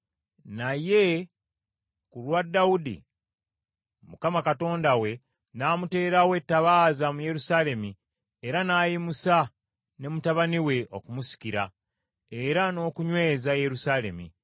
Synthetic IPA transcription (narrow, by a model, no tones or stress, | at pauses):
naje̞ | kulwadːaudḭ | mukamakato̞ːndawe̞ | naːmute̞ːɾawe̞tːaβaːzamuje̞ɾusale̞mi | eɾanaːjimusa | ne̞mutaβaniwe̞ʔo̞kumusi̥ciɾa̰ | eɾano̞ːkuɲwe̞ːzaje̞ɾusale̞mḭ